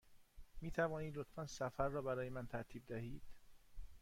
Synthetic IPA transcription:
miːt̪ʰævɒːniːd̪lot̪ʰfænsæfæɾːɒːbæɾɒːjemænt̪ʰæɾt̪ʰiːb̚d̪æhiːd̪̥

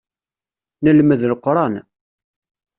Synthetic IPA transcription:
nəlməðlqːɾˤɑn

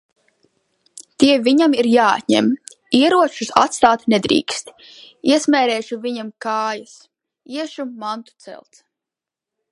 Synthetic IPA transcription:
t̪iɛvʲiɲamiɾjaːa̰t̪ʲɲɛ̰m | iɛɾuɔt͡ʃusa̰t̪st̪aːt̪nɛd̪ɾḭːkst̪ | iɛsmɛːɾɛːʃuviɲamkaːjas | iɛʃumant̪u̥t̪sɛ̰lt̪s

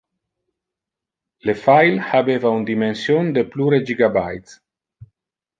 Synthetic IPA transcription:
lefajlhabevaund̪imensjond̪epluɾed͡ʒiɡabajt̪s

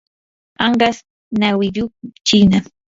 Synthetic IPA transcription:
ɑɴɢɑs | nawɪʎut͡ʃina

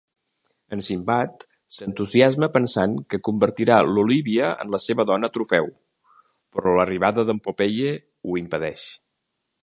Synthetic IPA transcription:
ənsimbat̪ | sənt̪uziazməpənsaŋkəkumbəɾt̪iɾaluliβiəə̰nləseβəðɔnət̪ɾufɛw | pɾɔləriβaðəðəmpupeʎe | uimpəðɛʃ

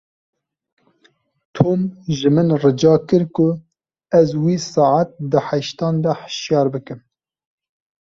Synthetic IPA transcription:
t̪ʰoːmʒɨmɨnrɨd͡ʒɑːkɨɾkʊ | ɛzwiːsɑʕat̪̚d̪ɨħɛʃt̪ɑːnd̪ɛħə̥ʃjɑːɾbɨkɨm

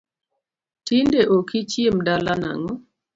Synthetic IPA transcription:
tindeʔokit͡ʃjemdalana̰ŋɔ

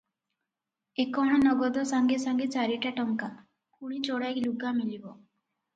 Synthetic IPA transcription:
ekɔɽ̃ɔnɔɡɔd̪ɔsaŋɡesaŋɡet͡ʃaɾiʈaʈɔŋka | kuɽ̃it͡ʃɔɽajkluɡamilibɔ

